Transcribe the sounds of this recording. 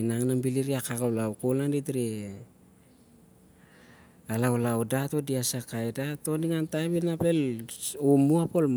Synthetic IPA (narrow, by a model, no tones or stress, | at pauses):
naŋnambiliɾiakakawlawkolandit̬ɾi | alawlawdato̞diasakajdato̞niŋantaβinape̞lomuapolm